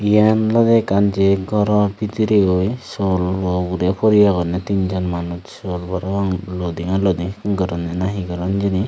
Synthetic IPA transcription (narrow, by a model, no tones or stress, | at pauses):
ijanlɔd̪ɛkand͡ʒeɡʱɔɾɔbit̪iɾeojsɔlɔɡuɾepʰɔɾijaɡɔnɛt̪ind͡ʒɔnmanut̪solbɔɾabaŋlɔd̪iŋalɔd̪iɡɔɾɔnɛnaɦiɡɔɾɔnd͡ʒini